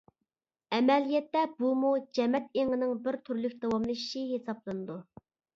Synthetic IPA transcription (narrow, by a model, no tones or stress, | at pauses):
ɛmɛlijɛt̪ːɛb̥umud͡ʒɛmɛt̪eŋɨnɪŋbɪɾt̪ʰyɾlykʲd̪ɑwɑmlˠɨʃi̥ʃiɦesɑblˠɨnɨd̪u